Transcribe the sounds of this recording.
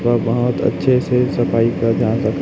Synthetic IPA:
pəbəɦʊt̪ə̰tːʃʰesesɐpaːikəd͡ʒaːnsək̪

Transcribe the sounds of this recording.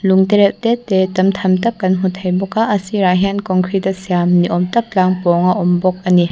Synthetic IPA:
luŋdeɾep̚tetːetɐmtʰɐmtɐp̚kɐnɦutʰːɐjbɔkaʔɐsiɾaɦankɔŋkʰɾidɐsijamniʔɔmtɐp̚laŋpɔŋɐʔɔmbɔk̚ɐni

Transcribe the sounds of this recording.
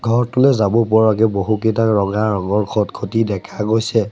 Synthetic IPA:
ɡʱɔɹtʊlɛzabɔpɔɹak̬ɛboɦukitakɹɔɡaɹɔŋɔɹkʰɔtkʰotidɛkʰaɡojsɛ

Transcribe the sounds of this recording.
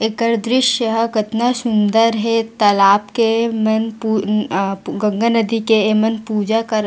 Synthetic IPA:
ekəɾd̪ɾɪʃjəɦkɪt̪nasʊnd̪əɾɦɛt̪ɐlaːpkemɐnpu | ɡɐ̃ŋɡanəd̪ikemɐnpuːd͡ʒakɐɾ

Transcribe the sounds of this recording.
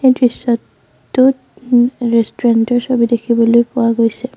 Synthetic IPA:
ejdɹisːɔtː | u | ɹestuɹantɔɹsobidekʰibɔlojpʊwaɡojsɛ

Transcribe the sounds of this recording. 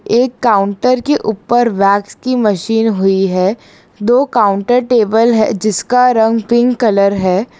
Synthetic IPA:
eːkːaːʊ̃ɳʈəɾkeʔuːpəɾʋɛːkskimɐʃiːnɦʊiɦɛː | d̪oːkaːʊ̃ɳʈəɾʈeːbəlɦɛ̰d͡ʒɪskaɾɐ̃ŋɡpɪ̃ŋɡkɐləɾɦɛː

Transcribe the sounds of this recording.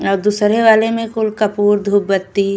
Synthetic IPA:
ɔːɾd̪uːsɾeʋaːlemẽkʊlkɐpuːɾd̪ʱuːb̚bət̪ːi

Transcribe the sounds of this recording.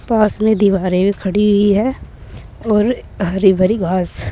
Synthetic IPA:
paːsmẽd̪iʋaːɾẽbikʰɐɽiɦʊiɦɛː | ɔːɾɦɐɾibʱɐɾiɡaːz

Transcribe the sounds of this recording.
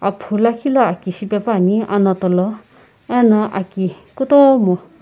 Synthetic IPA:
apʰulakʰilʌakisipepaniʔa̰nʌt̪olʌ | ɛnʌʔaki | kut̪õmo

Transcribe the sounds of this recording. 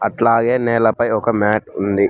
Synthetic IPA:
ɐʈlaːɡeːnɛːlɐpɐjɔkɐmaːʈund̪i

